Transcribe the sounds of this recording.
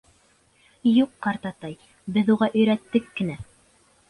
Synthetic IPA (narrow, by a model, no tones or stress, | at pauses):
juqːɑɾt̪ɑt̪ɑj | bɘðuʁɑʔɵ̆jɾæt̪ːɘkːɘ̆næ